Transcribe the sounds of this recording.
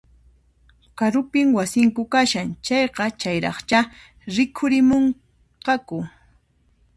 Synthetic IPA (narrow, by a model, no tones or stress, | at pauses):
kaɾʊpɪmwasɪŋkʊkaʃaŋt͡ʃɑjqɑt͡ʃajɾɑ̰χt͡ʃa | ɾɪkʰʊɾɪmoɴ | qɑkʊ